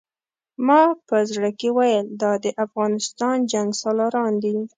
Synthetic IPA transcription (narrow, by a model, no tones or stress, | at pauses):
mɑpəzɽəkewajəld̪ɑd̪əʔafɣɑnɪst̪ɑnd͡ʒaŋɡsɑlɑɾɑnd̪i